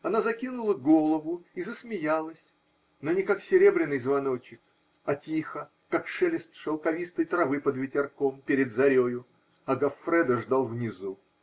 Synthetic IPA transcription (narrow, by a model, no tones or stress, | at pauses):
ɐnazɐkʲinʊlˠəɡo̞lˠəvʊizəsmʲɪjalˠəsʲ | nonʲɪkaksʲɪɾʲe̞bɾʲɪnːɨjzvɐno̞t͡ɕɪk̚ | ɐtʲixə | kakʂɛlʲɪst̪ʂəlˠkɐvʲist̪əjt̪ɾɐvɨpəd̪vʲɪtʲɪrkompʲɪɾʲɪd̪zɐɾʲojʊ | ɐɡɐfɾɛd̪əʐd̪alˠvnʲɪzu